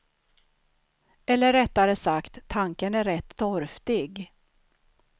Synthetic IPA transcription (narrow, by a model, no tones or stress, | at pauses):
ɛlːəɾɛt̪ːaɾəsakt̪ʰːaŋkənæɾɛt̪ːɔɾft̪ɪɡ